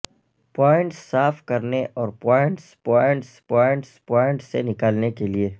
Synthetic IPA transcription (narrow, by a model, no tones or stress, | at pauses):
pɔːɪ̃ɳʈsːaːfkɐɾneʔɔːɾpɔːɪ̃ɳʈspɔːɪ̃ɳʈspɔːɪ̃ɳʈspɔːɪ̃ɳʈsenɪkaːlnekelieː